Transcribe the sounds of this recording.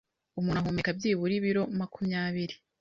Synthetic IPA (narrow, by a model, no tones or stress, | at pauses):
umuːnhaɦumekabjiːβuɾiβiɾo̞makʰumɲaːβiɾi